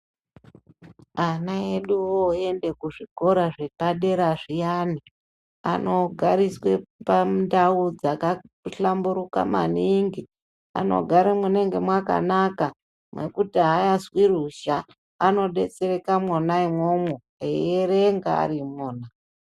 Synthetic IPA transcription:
anaeɗuoe̞nde̞kuʐiko̞ɾaʐepaɗe̞ɾaʐijani | a̰no̞ɡʱaɾiswe̞pandaud͡zaka | ɬambuɾuka̰ma̰niŋɡi | a̰no̞̰ɡʱaɾemwuneŋɡe̞mwaka̰naka | mwe̞̰kutiɦajazwiruʃaː | no̞ɗe̞t͡se̞re̞kamwonaimomo | eeɾeŋɡaa̰ɾimoːna

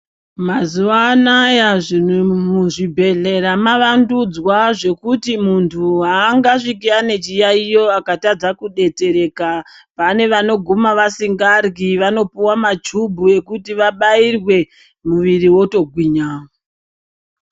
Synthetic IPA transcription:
mazuʋaːnajaʐin̤umuʐibʱe̞ɮe̞ɾamaʋandud͡zwaʐe̞kutimuntʰuɦaːŋɡaʂikiane̞t͡ʃijaijo̞akatad͡zakuɗe̞t͡se̞ɾe̞kapane̞ʋano̞ɡʱumaʋasiŋɡarɡiʋano̞puwamad͡ʒubʱue̞kutiʋaɓairwe̞ | muʋiriwo̞to̞ɡʱwiːɲao

